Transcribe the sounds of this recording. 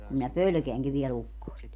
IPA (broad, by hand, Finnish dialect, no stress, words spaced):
kum minæ pølø̆keæŋki ʋiɛl ukːoest